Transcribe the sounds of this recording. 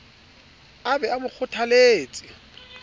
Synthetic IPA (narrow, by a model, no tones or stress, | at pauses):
abɛamʊk͡xʰʊtʰaleːt͡sʼɪ